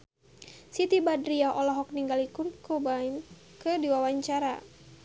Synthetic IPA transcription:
sit̪ibadɾiaʔɔlaɦɔk̚niŋɡalikurkobain | kɨdiwawaɲt͡ʃaɾa̰

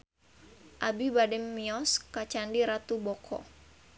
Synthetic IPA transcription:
ʔabibadɛmːiɔskat͡ʃandiɾat̪ubɔkʰɔ̰

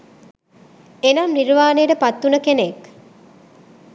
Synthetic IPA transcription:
enɐmniɾʋaːnejəʈəpat̪ːunəkenek

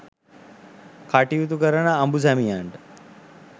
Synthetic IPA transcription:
kaʈiut̪̬ukəɾənaːmbus̬æmijaɳʈə

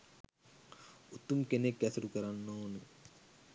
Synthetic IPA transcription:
ut̪umkenekːɛsɐɾukəɾanːoːnə

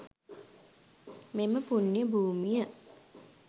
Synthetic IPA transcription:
meməpunːijəbuːmijə

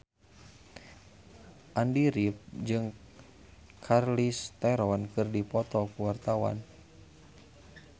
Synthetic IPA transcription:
ʔandiɾip̚d͡ʒɨŋ | kʰarlist̪ɛɾɔnkɨrdipɔt̪ɔkuwart̪awa̰n

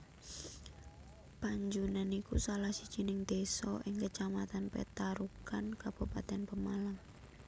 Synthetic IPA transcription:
paɲd͡ʒunanikusalahsid̥d͡ʒ̥inɪŋd̪̥esɔ̰ʔɪŋkət͡ʃamat̪anpɛ̰t̪aɾukankab̥upat̪ɛnpəmalam

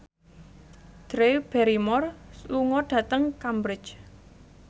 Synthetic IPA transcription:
d̪̥ɾeb̥ɛɾimɔrsluŋɔɖ̥ä̤t̪əŋkambɾɪ̥t͡ʃ

